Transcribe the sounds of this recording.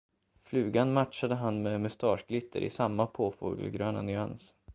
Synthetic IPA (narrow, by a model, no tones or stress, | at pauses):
flʉ̟ːɡanmaʈʂad̪əɦanmɛmɵst̪ɑːʂɡlɪt̪ʰːə̰ɾʔɪ̰samːapʰoːfṵːɡə̰lɡɾøːna̰nʏa̰ns